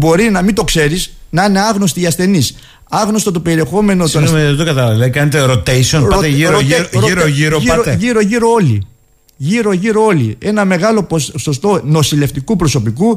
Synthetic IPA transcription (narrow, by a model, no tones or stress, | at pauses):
bo̞ɾinɐmid̪okse̞ɾisnɐine̞ɐɣno̞st̪iːɐsθe̞nis | ɐɣno̞st̪ot̪ope̞ɾie̞xo̞me̞notsomeðet̪okɐt̪ɐlɐlekɐnet̪eɾot̪ejsionɐot̪eiɾoɾʝiɾooʝiɾoʝiɾoo̞lḭ | ʝiɾo̞ʝiɾoo̞lie̞nɐme̞ɣɐlo̞poso̞st̪o̞no̞sile̞ft̪ikupɾo̞so̞piku